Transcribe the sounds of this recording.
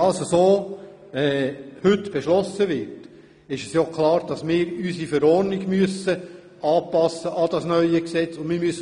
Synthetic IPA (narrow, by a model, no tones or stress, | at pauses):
ɑsəsoː | ɛːhɵtːb̥eʃlɔsːəʋɪɾt | ɪʃɛsjokʰlˠɑːɾd̥ɑsmɪːɾysifəɾɔːɾnɪɡmyəsə | ɑːpɑsːəʔɑd̥ɑsnœʏəksɛt͡sʊnmɪːɾmyəs